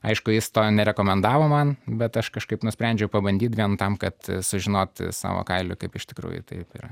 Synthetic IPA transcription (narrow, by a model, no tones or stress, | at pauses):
ɐɪʃkʊjɪst̪oːnʲɛɾʲɛkoːmʲɛnd̪ɑːʋoːmɐnbʲɛt̪ɐʃkɐʃkɐɪpnʊsʲpʲɾʲænʲd͡ʒʲɛʊpɐbɐnʲd̪ʲiːt̪ʋʲiɛnt̪ɐmkɐt̪sʊʒʲɪnoːt̪sɑ̰ːʋo̰ːkɐɪlʲʊ̰kɐɪpɪʃt̪ʲɪkɾṵːjʊ̰t̪ɐ̰ɪpɪ̰ːrɐ